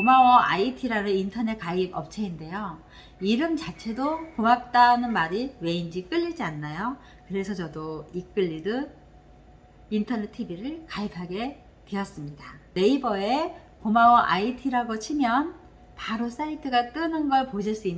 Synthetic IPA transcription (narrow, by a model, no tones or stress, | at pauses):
omawʌʔa̰itʰiɾanɯnintʰʌne̞k͈aibʌp̚t͡ɕʰe̞inde̞jo | iɾɯmt͡ɕat͡ɕʰe̞dokomak̚t͈anɯnmaɾiwe̞ind͡ʑik͈ɯʎːid͡ʑianːajo | kɯɾe̞sʰʌt͡ɕʌdoik͈ɯʎːidɯ | intʰʌnetʰibiɾɯɭkaipʰaɡe̞ | te̞ʌs͈ɯmɲidane̞ibʌe̞ | komawʌʔaitʰiɾaɡot͡ɕʰimjʌn | paɾos͈aitʰɯɡat͈ɯnɯnɡʌɭpoɕʰiɭs͈uinː